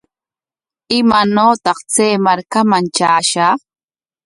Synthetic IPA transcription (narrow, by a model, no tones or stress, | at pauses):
ɪmanoːt̪ɑχt͡seːmaɾkamaŋt͡ʃaːʃaː